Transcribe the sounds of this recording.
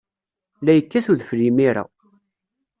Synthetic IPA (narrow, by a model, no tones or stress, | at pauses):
læjəkːæθuðəfɾimiɾa̰